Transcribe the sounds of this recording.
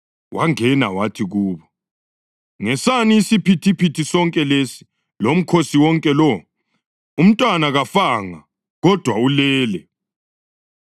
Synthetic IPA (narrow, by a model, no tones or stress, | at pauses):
wʔaŋɛna̰watʰiɣuːβɔ | ŋɛsaniːsipʰitʰipʰitʰisɔŋkʼɛlesi̥ | lom̩kʰosiwɔŋkʼɛlɔ | um̩tʼwanaɣafaŋa̰ | ɣɔd̥ʱwaulɛːlɛ